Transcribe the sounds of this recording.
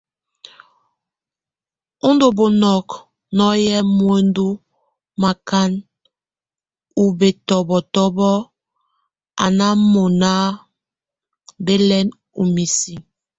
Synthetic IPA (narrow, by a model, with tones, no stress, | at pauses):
u˦ndo˨bo˨nɔ˨k | nɔ˦jɛ˦mwe˦n˦du˦ | ma˨ka˦n | u˨be˨tɔ˨bɔ˨tɔ˦bɔ˦ | a̰˨na˦mo˨na˦ | be˦lɛ˦n | u˨mi˨si˨